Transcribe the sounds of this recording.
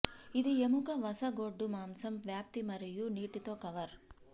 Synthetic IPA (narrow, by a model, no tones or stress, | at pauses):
id̪iemukɐʋɐsɐɡoːɖːumaːmsɐmʋjaːp̚t̪imɐɾejuniːʈit̪oːkɐʋɐɾ